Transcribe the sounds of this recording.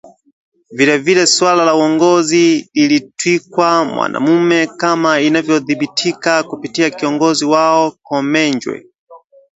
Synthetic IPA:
vilɛvilɛswalalauwɔŋɡɔzililitwikwamwa̰nʔa̰mumɛkamainavjɔðiɓitʰikakupitiakiɔŋɡɔziwaɔkɔmɛnd͡ʒwɛ̰

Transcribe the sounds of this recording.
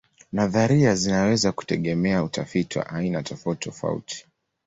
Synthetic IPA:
naðaɾiazinawɛzaku̥tɛɠɛmɛautafitiwa̰ʔainatʰɔfautitɔfa̰ṵtʰi̥

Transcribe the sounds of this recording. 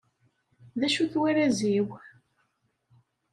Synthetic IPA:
ðæʃuθwiɾæziw

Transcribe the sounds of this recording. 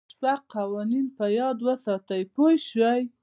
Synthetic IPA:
paɡqɑwɑninpəjɑd̪wəsɑt̪əjpojʃwəj

